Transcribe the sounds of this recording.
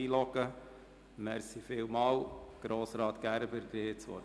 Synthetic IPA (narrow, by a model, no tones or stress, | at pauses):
iːlɔkə | mæɾsifɪwmɑːwɡ̥ɾoːsɾɑːt̪ɡ̥æɾbəɾɡɾeːt͡sʋɔ̰